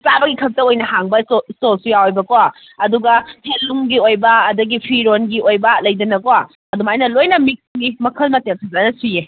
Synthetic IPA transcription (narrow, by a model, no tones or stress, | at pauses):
pabɐɡikʰɐp̚tɐojnɐɦaŋbɐstolsujawjbɐkwa | ɐduɡɐpʰelːuŋɡiojbɐːdɐɡipʰiɾonɡiʔojbɐlɐjdɐnɐkowa | ɐdumajnɐlojnɐmik̚snimɐkʰɐlmɐteŋsʰɐzanɐsije